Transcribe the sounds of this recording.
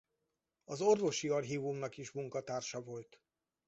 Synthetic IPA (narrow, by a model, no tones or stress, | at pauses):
ɒzo̞rvo̞ʃiɒrɦiːvumnɒkiʃmuŋkɒt̪aːrʃɒvo̞lt̪